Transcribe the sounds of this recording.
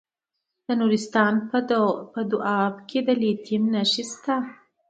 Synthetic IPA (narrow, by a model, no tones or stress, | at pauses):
d̪̥ənuɾist̪ɑn | pəd̪ʊʔɑbkʰed̪əlet̪ʰimnaʃist̪a